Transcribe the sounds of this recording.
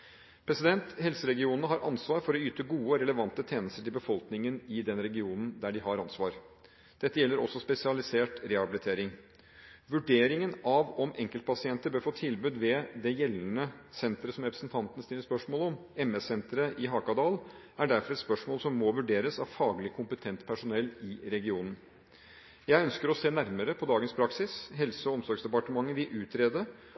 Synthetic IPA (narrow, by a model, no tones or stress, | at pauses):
pʰɾɛsɪd̪ɛnt̪hɛlsəɾɛɡɪuːnənəɦɑɾʔɑ̰nsʋɑːɾfɔɾɔyːt̪əɡuːəɾɛləʋɑnt̪ːət̪ʰeːnəst̪əʈʰɪlbəfɔlknɪŋənɪd̪ɛnɾɛɡɪuːnn̩d̪æɖɪɦɑɾɑnsʋɑːɾ | d̪̥ɛt̪ːəjɛlːəɾɔsːɔspɛsɪɑlɪseːʈɾɛhɑbɪlɪt̪ʰeːɾɪŋ | ʋʉɖeːɾɪŋənɑʋɔmʔɛŋkəlt̪̚pʰɑsɪɛnt̪əbøːɾfoːt̪ʰɪlbʉːd̪ʋɛd̪ɛjɛlːn̩əsɛnt̪ɾəsɔmɾɛpɾəsn̩t̪ʰɑnt̪ən̩st̪ɪlːəspœʂmoːlɔmɛmɛsɛnt̪ɾəʔɪɦɑːkɑd̪ɑːl | æɖæɾfɔɾɛt̪spœʂmoːlsɔmːɔʋʉɖeːɾəsɑʋfɑːɡlɪkʰʊmpət̪ʰɛnt̪pʰæʂʊnɛlːɪɾɛɡɪuːnən̩ | jæɪœnskəɾɔseːnæɾməɾəpʰɔd̪ɑːɡənspʰɾɑksɪsɦɛlsəɔɔmsɔɾɡsd̪ɛpɑʈəmɑŋːəʋɪʔʉːt̪ʰɾeːd̪ə